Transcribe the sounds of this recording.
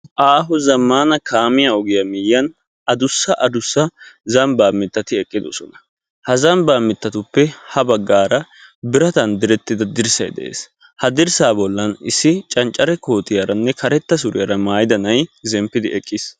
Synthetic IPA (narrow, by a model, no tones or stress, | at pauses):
ʔaːɦʊzɐmːaːnɐkʰaːmɪjɐɔɡɪjɐmɪjːɐn | ɐd̪ʊsːɐʔɐd̪ʊsːɐzɐmbaːmːɪt̪ːɐt̪ɪɛkʼːɪd̪ɔ̰sɔnɐ | hɐzɐmbaːmːɪt̪ːɐt̪ʊpːɛhɐbɐɡːaːɾɐ | bɪɾɐt̪ɐnd̪ɪɾɛt̪ːɪd̪ɐd̪ɪɾsɐjd̪ɛ̰ʔḛːs | hɐd̪ɪɾsaːbɔlːɐnɪsːɪt͡ʃʼɐnt͡ʃʼːɐɾɛko̞ːt̪ɪjɐɾɐnːɛkɐɾɛt̪ːɐsʊɾɪjɐɾɐmaːjɪd̪ɐnɐjzɛmpːɪd̪ɪɛkʼːɪs